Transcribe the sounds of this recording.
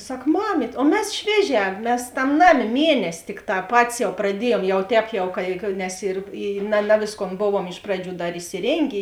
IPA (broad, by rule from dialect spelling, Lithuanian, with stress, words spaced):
ˈsɐk ˈmɑːmʲiːtʲ oː ˈmʲɛs ˈʃʲʋʲiɛˌʒʲɛː ˈmʲɛs ˈtɐm ˈnɑːˌmʲeː ˈmʲiɛnʲɛsʲɪ ˈtʲɪkˌtɑː ˈpɑːtʲɪs jɛʊ prɐˈdʲiɛjuɔm ˈjɛʊ ˈtʲɛːp jɛʊ ˈkɐ ɪ nʲɛs ɪr ɪ nɐ ˈnɐ ʋʲeːsˌkoːn ˈboːʋuɔm ˈɪʃ prɐˌd͡ʒʲuː ˈdɐr ɪsʲɪˈrʲeːŋʲɡʲeː